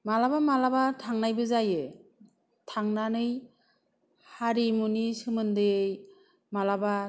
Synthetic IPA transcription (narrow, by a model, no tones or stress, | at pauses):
malabamalabatʰaŋnajbɯzajɯ | tʰaŋnanɯj | haɾimunisɯmɯndɯj | malaba